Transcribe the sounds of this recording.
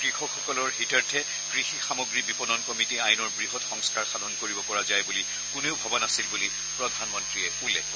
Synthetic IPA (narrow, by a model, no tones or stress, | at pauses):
ɡɹixɔxɔkɔlɔɹɦitaɹtʰɛ | ɡ̥ɹixixamɔɡɹibipɔnɔnkɔmitiajnɔɹbɹiɦɔtxɔŋskaɹxadʱɔnkoɹibɔpɔɹazajbuli | kʊneʊbʱɔbɔnasilbuli | pɹɔdʱanmɔntɹiɛulːɛk̚ɔ